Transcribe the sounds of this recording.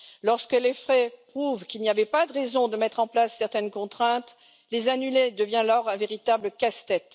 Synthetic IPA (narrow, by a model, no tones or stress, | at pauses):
lɔʁskəlefχɛpχuvkilniavɛpad̪əʁezɔ̃d̪əmɛt̪χɑ̃plasːɛʁt̪ɛnkɔ̃t̪χɛ̃t̪ | lezanyled̪əvjɛ̃lɔʁɛ̃veʁit̪abləkast̪ɛt̪